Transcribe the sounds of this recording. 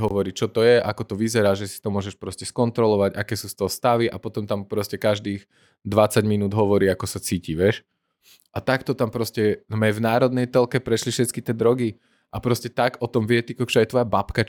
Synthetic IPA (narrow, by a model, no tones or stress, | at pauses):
ɦɔʋɔɾiːt͡ʃɔt̪ɔjɛʔakɔt̪ɔʋizɛɾaːʒɛsi̥t̪ɔmʊɔʒɛʃpɾɔscɛskɔnt̪ɾɔlɔʋaɟakɛːsuːst̪ɔɦɔst̪aʋiʔa̰pɔt̪ɔmt̪ampɾɔscɛkaʒd̪iːx | d̪ʋat͡saɟminuːd̪ɦɔʋɔɾiːakɔsat͡siːciʋɛʃ | ʔat̪akt̪ɔt̪ampɾɔscɛmɛvnaːɾɔd̪nɛjt̪ɔlkɛpɾɛʃlifʃɛt̪kit̪ɪɛd̪ɾɔɡi | ʔapɾɔscɛt̪aɡɔt̪ɔmʋɛt̪ikɔkt͡ʃɔjɛt̪ʋɔjabapka